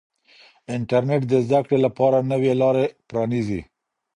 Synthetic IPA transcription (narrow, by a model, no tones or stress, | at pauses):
ɪɳʈaɾneʈ̚d̪əzd̪akɽelapɑɾanəwelɑɾepɾɑnizḭ